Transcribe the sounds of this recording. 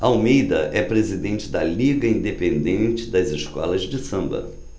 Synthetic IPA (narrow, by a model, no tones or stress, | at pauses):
ɐwmejd̪ɐʔɛpɾezid̪ẽnt͡ʃɪd̪ɐliɡɐĩnd̪epẽnd̪ẽnt͡ʃɪd̪ɐzɪʃkɔ̰lɐzd͡ʒɪsɐ̃mbɐ̰